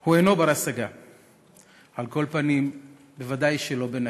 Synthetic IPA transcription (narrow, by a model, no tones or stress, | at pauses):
hueno̞baɾasaɡa | alko̞lpanim | be̞vad̪ajʃelo̞bena